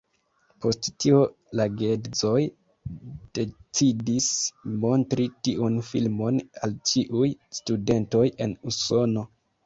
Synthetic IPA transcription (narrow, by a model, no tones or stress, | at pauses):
po̞sttio | laɡe̞zo̞j | d̥e̞t͡sidismo̞ntɾitiʔunfilmo̞na̰lt͡ʃiʔujstude̞nto̞je̞nuso̞no̞